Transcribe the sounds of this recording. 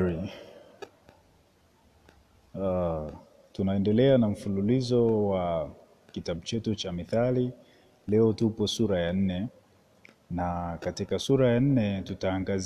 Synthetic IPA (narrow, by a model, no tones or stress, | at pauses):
ɾi | tunaɛndɛlɛanam̩fululizɔwa | kitaɓut͡ʃɛtut͡ʃamiθali | lɛɔtupɔsuɾajan̩nɛ | nakatikasuɾajan̩nɛtutaːŋɡaz